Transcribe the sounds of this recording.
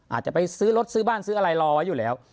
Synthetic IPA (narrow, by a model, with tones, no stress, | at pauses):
ʔaː˨˩t̪̚t͡ɕa˨˩pa˧jsɯː˦˥lo˦˥t̪̚sɯː˦˥baː˥˩nsɯː˦˥ʔa˧ɾa˧jlɔː˧wa˦˥juː˨˩lɛː˦˥w